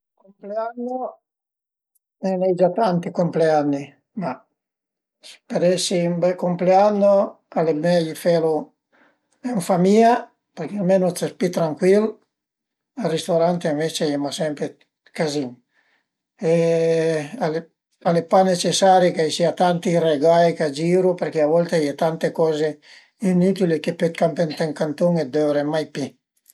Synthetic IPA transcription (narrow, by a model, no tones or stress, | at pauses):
kompleanːo | ɛnɛjd͡ʒat̪ant̪ikompleanːi | ma | speɾɛsːiːmbɛkːompleanːo | alebɛjifelu | eɱfamia | peɾk̟ialmenosespit̪ːɾaŋkwil | arist̪oɾant̪eiɱvet͡ʃejɛmasɛmpɾe | kaziŋ | e | ale | alepanːet͡ʃesːaːɾikaisiat̪ant̪ireɡajkad͡ʒiːɾupeɾk̟eavɔlt̪ejɛt̪ant̪ekɔːze | inut̪ilikepːet̪̚kampent̪eŋkant̪uŋed̪ɛvɾemajpi